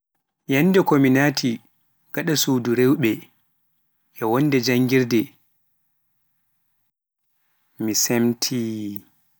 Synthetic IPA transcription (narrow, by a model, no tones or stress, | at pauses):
janːdɛkɔminatʰi | ɡ̥aɗasuduɾewɓɛ | ʔɛwɔndɛd͡ʒaŋɡiɾdɛ | misemtʰi